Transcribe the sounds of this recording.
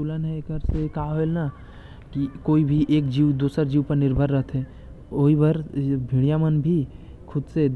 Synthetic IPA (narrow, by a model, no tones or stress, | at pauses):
t̪uːlənɦɛekəɾsekaɦaɦoelna | kikoːibʱiʔeːkd͡ʒiwd̪uːsəɾd͡ʒiːwpəɾnɪɾbʱəɾːəɦət̪ɦɛ̃ | oibaɾbʱiɽ̃ijamənbʱi | kʰʊd̪se